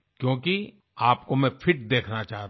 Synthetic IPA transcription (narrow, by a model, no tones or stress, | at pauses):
kjõːki | aːpkomɛ̃fʰɪʈ̚d̪eːkʰnat͡ʃaːɦt̪